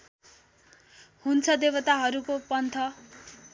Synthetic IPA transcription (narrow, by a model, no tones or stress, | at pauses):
hunt͡sʰʌd̪ebʌt̪aɦʌɾukopʌnt̪ʰʌ